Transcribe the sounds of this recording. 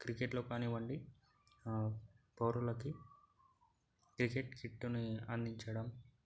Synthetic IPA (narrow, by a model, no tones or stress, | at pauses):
kɾikeʈloːkaːniːʋɐɳɖi | poːɾulɐki | kɾikeʈkiʈːuniɐnd̪ʱiɲt͡ʃɐɽɐm